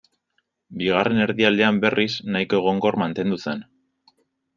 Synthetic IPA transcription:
biɣ̞arʔe̞ne̞ɾðiald̪e̞ambe̞rʔisnaiko̞eɣ̞o̞ŋɡo̞ɾmant̪e̞nd̪usen

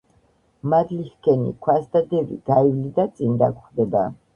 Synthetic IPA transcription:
mad̪lihkʰɛnḭkʰwasd̪ad̪ɛvḭɡ̥aivlid̪at̪sʼind̪a̰kχd̪ɛba

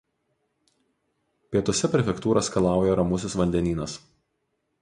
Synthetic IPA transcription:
pʲiɛt̪ɔsʲɛpʲɾʲɛfʲɛkt̪uːɾɐskɐlˠɑˑʊjɛɾɐmʊsʲɪsʋɐnʲd̪ʲɛnʲiːnɐs

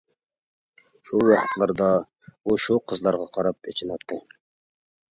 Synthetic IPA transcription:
ʃuwɑχə̥t̪lˠɑɾd̪ɑ | uʃuqʰəzlˠɑɾʁɑqʰɑɾɑpet͡ʃʰɪnɑp̚t̪ʰːɪ

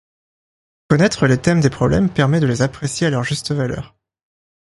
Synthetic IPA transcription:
kɔnɛt̪χəlet̪ɛmd̪epχɔblɛ̰mpɛʁmɛd̪əlezapχesjealœʁʒyst̪əvalœ̰ːʁ

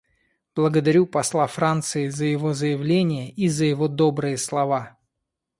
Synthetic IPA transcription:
b̥lˠəɡəd̪ɐɾʲupɐslˠafɾant̪sɨɪzəjɪvozəjɪvlʲenʲɪjəʔizəjɪvod̪obɾɨjəslˠɐva

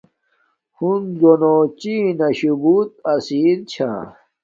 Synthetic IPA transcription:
hunzonot͡ɕinɐɕubut̪̚ɐsiɾt͡ɕʰa̰

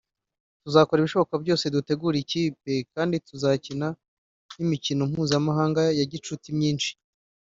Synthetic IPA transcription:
tuzako̞ɾiβiʃo̞βo̞kabɟo̞ːse̞dute̞ɡuːɾiciːp̚e̞kaːndituzacina | nimicino̞m̥uːzamaɦaːŋɡajaɟit͡ʃutimɲiːnʃi̥

